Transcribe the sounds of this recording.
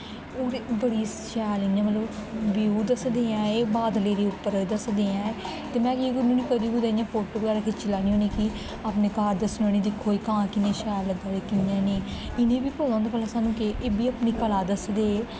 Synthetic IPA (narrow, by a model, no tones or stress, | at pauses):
oːɾbəɽiː | ʃɛːlɪjãːmət̪ləbbjuːd̪əsd̪eːãːeːbaːd̪leːɾeːʊpːəɾd̪əsd̪eːãːe | t̪eːmɛ̃ːd͡ʒeːkʊnõːnĩːkəɾiːũːd̪ejãːpʰoːʈoːbɡaːɾaːkʰet͡ʃɪlaːnĩːõːniːki | aːpneːkaːɾd̪əsnə̃ːñĩːd̪ɪkʰːoːiːkãːkɪnẽːʃɛːləɡaːɾeːkɪjãːneːɪnẽːbiːpoːlãːnd̪aːpəlasaːnũːkeʔeːbiːaːpniːkəlaːd̪əsd̪eːeː